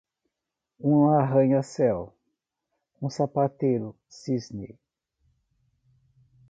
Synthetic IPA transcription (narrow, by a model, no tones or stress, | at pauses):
ũaɦɐ̃ɲɐsɛw | ũsapat̪ejɾʊ | sizne